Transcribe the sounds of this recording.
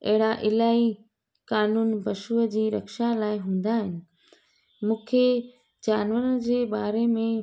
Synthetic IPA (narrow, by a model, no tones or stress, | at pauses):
ɐ̰ɦɪɽaʔɪlaːi | kaːnuːnbɐʃuəd͡ʑiːɾɐkʃalaːɪɦũːn̆d̪aːɦɪnɪ̆ | mũːkʰe | d͡ʑaːnʋəɾənd͡ʑeːbaːɾemẽ